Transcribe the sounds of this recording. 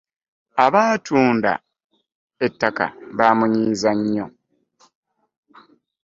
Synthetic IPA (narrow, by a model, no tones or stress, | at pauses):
aβaːtʰuːnda̰ | etːaka̰βaːmuɲiːzaɲːo